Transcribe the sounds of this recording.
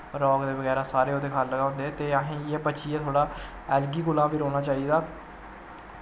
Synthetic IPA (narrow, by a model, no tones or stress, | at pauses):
ɾɔːɡd̪eːbəɡɛːɾaːsaːɾeːoːd̪eːkʰaːlːəɡaːʊ̃nd̪eɛːt̪eːaɦẽːeːbəːt͡ʃiːɛːt̪ʰoːɽaː | ɛːlɡiːkʊlãːbiːɾoːñaːt͡ʃaːiːd̪aː